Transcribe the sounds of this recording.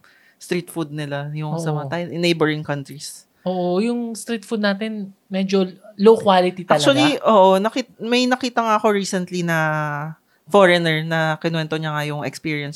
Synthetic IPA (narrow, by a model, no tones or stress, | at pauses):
st̪ɾit̪fud̪̚nɪlajʊŋɐmat̪ajɛnʔɪnːejbɛɹɪŋkɐnt̪ɹis | oːʔojʊŋst̪ɾit̪fud̪̚naːt̪ɪnmɛd͡ʒolowkwalɪt̪it̪aɐklt͡ʃt͡ʃʊɐɡliʔoːʔonɐkit̪mɐjnɐkiːt̪ɐŋaʔɐko̞ɹiːsɛnt̪linɐ | foɹɛnɛɹnɐkɪnwɛnt̪o̞ɲɐŋajʊŋʔɛ̰kspiːɹijɐns